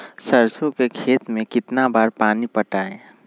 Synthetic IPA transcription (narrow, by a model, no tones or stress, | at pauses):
səɾsõkekʰeːt̪mẽkɪt̪nabaːɾpaːnipəʈaːẽ